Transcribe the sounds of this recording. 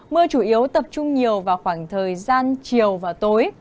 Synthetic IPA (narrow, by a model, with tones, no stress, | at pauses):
mɨ˧ət͡ɕu˧˩ʔi˨˦əwt̪ə˨˩p̚t͡ɕʊ˧ŋ͡mɲi˨˩əwvaː˨˩xwaː˧˩ŋt̪ʰəː˨˩jzaː˧nt͡ɕi˨˩əwvaː˨˩wt̪o˨˦j